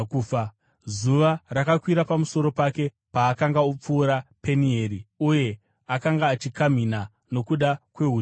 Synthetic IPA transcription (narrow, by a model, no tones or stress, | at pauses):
kufa | zuʋarakakwiɾapamuso̞ɾo̞pake̞ | paːkaŋɡaup͡fuːɾape̞nieːɾiuje̞ | akaŋɡaːt͡ʃikam̤ina | no̞kuɗakwe̞ɦu